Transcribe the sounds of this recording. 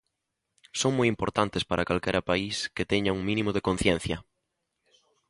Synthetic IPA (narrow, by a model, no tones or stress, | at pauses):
soŋmojimpoɾt̪ant̪espaɾʔakalkɛɾɐpaisket̪ɛɲauŋmĩnimoðekon̟θjɛn̟θjɐ